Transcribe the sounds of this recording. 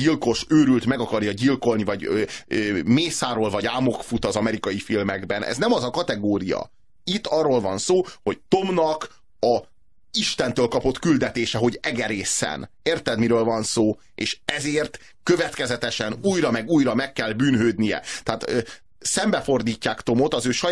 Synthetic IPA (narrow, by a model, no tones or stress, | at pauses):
ɟilko̞ʃøːɾylt̪mɛɡɒkɒrjɒɟilko̞lnivɒɟøøːmeːsaːɾoːlvɒɟaːmo̞kfut̪ɒzɒmɛɾikɒjifilmɛɡbɛnʔɛ̰znɛmɒzɒkɒt̪ɛɡoːɾijɒ̰ | it̪ːɒrːolvɒnsoːho̞ct̪o̞mnɒk | ɒ | iʃt̪ɛnt̪øːlkɒpo̞t̪kyld̪ɛt̪eːʃɛɦo̞ɟɛɡɛɾeːsɛ̰n | eːrt̪ɛd̪miɾøːlvɒnsoː | ḛːʃɛzeːrt̪ | kø̞vɛt̪kɛzɛt̪ɛʃɛnuːjɾɒmɛɡuːjɾɒmɛkːɛlbyːnɦøːd̪nijɛ̰t̪ɛaːt̪ø | sɛmbɛfo̞rd̪iːcːaːkt̪o̞mo̞t̪ɒzøːʃɒ